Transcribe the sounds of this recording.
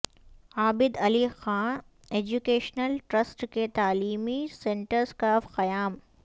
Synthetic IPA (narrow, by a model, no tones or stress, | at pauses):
aːbɪd̪ɐlixãːn | eːd͡ʒukeːʃnəlʈɾəsʈket̪aːliːmisẽːɳʈəɾskaːfqɐjaːm